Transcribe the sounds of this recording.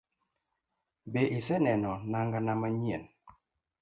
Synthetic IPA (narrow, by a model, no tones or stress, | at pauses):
beʔisɛnɛnɔnaŋɡanamaɲien